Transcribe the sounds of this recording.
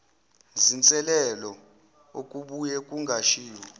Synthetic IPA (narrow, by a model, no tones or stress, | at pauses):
zint͡sʼɛlɛlɔ | okʼuɓujɛkʼuŋɡʱaʃiːwɔ